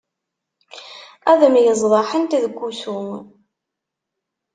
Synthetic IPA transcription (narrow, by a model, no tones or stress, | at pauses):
æðmjəzˤðˤɑħənt̪ðəɡʷːusum